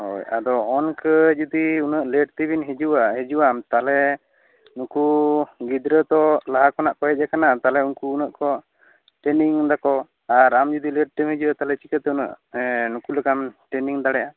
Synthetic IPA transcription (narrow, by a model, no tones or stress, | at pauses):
ho̰ja̰d̪ɔɔnkəd͡ʒud̪iunəʔleɖt̪ibinɦed͡ʒuwaɦed͡ʒuwamt̪alɛ | nukuɡid̪ɾət̪ɔlaɦakɔnaʔkɔɦɛt̚d͡ʒakanat̪alɛunkuunəʔkɔ | ʈɛniŋd̪akɔ | aɾamd͡ʒud̪iləɖ̚t̪imhed͡ʒuwat̪alɛt͡ʃi̥kət̪ɛunə̰ʔnukulɛkamʈɛniŋd̪aɽɛja